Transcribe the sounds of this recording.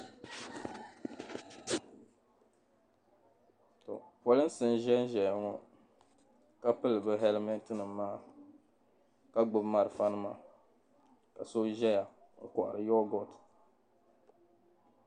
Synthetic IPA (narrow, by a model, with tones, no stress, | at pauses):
to̰˨pɔ˨lɨ˦sɨ˦n˦ʒɛ˦n˦ʒɛ˨˦ŋɔ˦ | ka˦pɨ˦lɨ˨bɨ˦ɦɛ˦lmɛ˦n˦tɨ˦nɨ˨mːaː˦ | ka˦ɡ͡bʊ˦bma˨ɾɨ˨fa˦nɨ˦ma̰˨ | ka̰˨so˦ʒɛ˦ja˨ | ŋ̩˨kɔ˨ʔa̰˨ɾɨ˨jɔ˦ɡɔ˦t